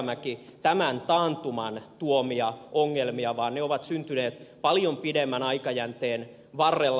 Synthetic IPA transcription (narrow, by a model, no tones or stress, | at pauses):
mækit̪æmænt̪ɑːnt̪umɑnt̪uomiɑʔoŋːelmiɑʋɑːnneoʋɑt̪synt̪yneːt̪pɑljompidemːænɑikɑjænt̪eːn | ʋɑrːelː